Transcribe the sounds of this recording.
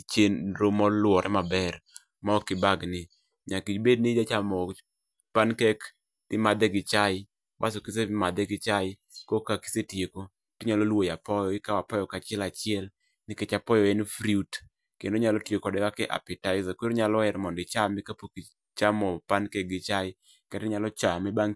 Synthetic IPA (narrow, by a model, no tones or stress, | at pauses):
t͡ʃenɾomɔlwɔɾʔɛmabɛr | maɔkɪbaɡnɪ | ɲakit͡ʃbed̚nɪd͡ʒat͡ʃamɔ | pankɛk | tɪmad̪ɛɡɪt͡ʃaɪ | ba̰s̬okisemad̪ɛɡɪt͡ʃaɪ | kokaki̥setjeko | tɪɲalolwojapɔjɔɪkawapɔjɔkat͡ʃɪɛlat͡ʃɪɛl | nɪket͡ʃapɔjɔɛnfɾiut | kendoɲalɔtjekɔdɛwakɛʔa̰pɛtaɪzakweɾoɲalɔɛɾmɔndɪt͡ʃamɛkapoki | t͡ʃamɔpankɛk̚ɡɪt͡ʃaɪ | katɛɲalɔt͡ʃamɛbaŋ